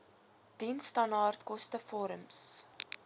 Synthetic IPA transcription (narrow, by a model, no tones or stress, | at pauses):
d̥instɐnɑrtkɔstəfɔɾəms